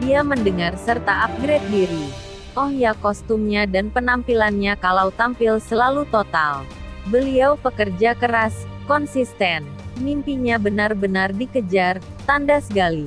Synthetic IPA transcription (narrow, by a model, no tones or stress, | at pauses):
diaməndəŋarsərt̪aːp̚ɡɾɛt̪̚diɾi | ɔhjakɔst̪umɲadanpənampilanɲakalawt̪ampilsəlalut̪ot̪a̰lbəliawpəkərd͡ʒakəɾas | kɔnsist̪ɛn | mimpiɲabənarbənardikəd͡ʒar | t̪andasəkali